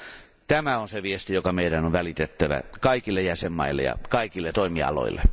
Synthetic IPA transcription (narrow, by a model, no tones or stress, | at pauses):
t̪æmæonseʋiest̪ijokɑmeidænoʋʋælit̪et̪ːæʋæ̰kɑikilːejæsemːɑ̰ilːḛjɑ̰kɑikilːet̪oimiɑ̰lo̰ḭlːḛ